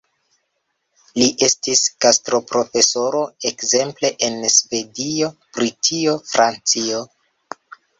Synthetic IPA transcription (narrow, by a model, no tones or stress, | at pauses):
liʔe̞stiskastɾo̞pɾo̞fe̞so̞ɾo̞e̞kze̞mple̞ʔensve̞dio̞bɾitʰio̞fɾʔant͡sio̞